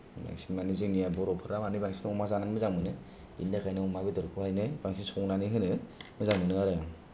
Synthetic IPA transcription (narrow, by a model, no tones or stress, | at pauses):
ba̰ŋsinmaniziŋnijabɔɾɔpʰɯɾamanɯbaŋsi̥nɔmazananmɯzaŋmɯnɯ | bindakʰajnɯɔmabidɔɾkʰuhajnɯbaŋsinsɔŋnaniɦɯnɯmɯzaŋmɯnɯaɾɯaŋ